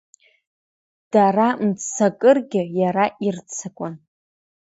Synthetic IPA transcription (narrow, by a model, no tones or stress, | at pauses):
d̥aramt͡sʰakʼɨrɡʲɪjaɾaʔirt͡sʰakʷʼʊn